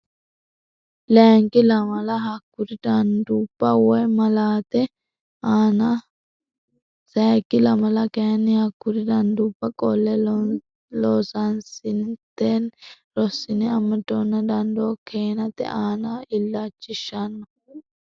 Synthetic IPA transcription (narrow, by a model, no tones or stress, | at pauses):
lɛːŋkɪlɐmɐlɐɦɐkːʊɾɪd̪ɐnd̪uːbːɐwɔjmɐlaːt̪ɛ | aːnɐ | sɛkːɪlɐmɐlɐkɛjɐnːɪhɐkːʊɾɪd̪ɐnd̪uːbːɐkʼɔlːɛ | loːsɐnsɪnt̪eːn | ɾɔsːɪnɛɐmːɐt̪ːoːnːɐd̪ɐnd̪oːkʰeːnɐt̪ɛ̰ʔaːnɐɪlːat͡ʃːɪʃːɐnːɔ